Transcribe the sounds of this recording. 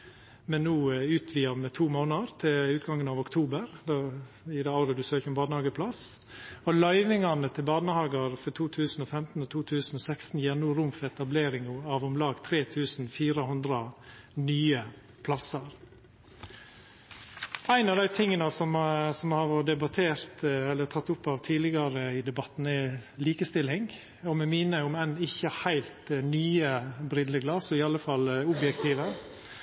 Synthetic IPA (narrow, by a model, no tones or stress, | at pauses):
mɛnːuːʉːt̪ʰʋiːɑmət̪ʰuːmoːnɑɾt̪ʰɪlʉːt̪ɡɑŋːənɑʋʊkt̪ʰuːbəɾd̪ɛ | ɪd̪ɛɑʊɾəd̪ʉsøːçəɔmbɑːnəhɑːɡəpʰlɑs | ɔlɑɪʋɪŋɑnət̪ʰɪlbɑːnəhɑːɡəɾfɔt̪ʰuːt̪ʰʉːsn̩ɔfɛmt̪n̩ɔt̪ʰuːt̪ʰʉːsn̩ɔːsɛkst̪n̩jæːnuːɾʊmfɛt̪ɑbleːɾɪŋʊɑʋɔmlɑːɡt̪ʰɾeːt̪ʰʉːsn̩fiːɾəɦʊnd̪ɾə | nyːə | pʰlɑsəɾ | æɪnɑʋd̪æɪt̪ʰɪŋːənəsɔmsɔmhɑɾɖ̪ɛbɑt̪ʰeːɾt̪ɛlːətʰɑt̪ːʊpːɑʋt̪ʰiːlɪɡɑɾəɪd̪ɛbɑt̪n̩ɛliːkəst̪ɪlɪŋ | ɔmɛmɪnəʊmæɪnɪçːəhæɪlt̪nyːəbɾɪd̪ləɡlɑsɔɪɑlːəfɑlʊbjɛkt̪ʰiːʋə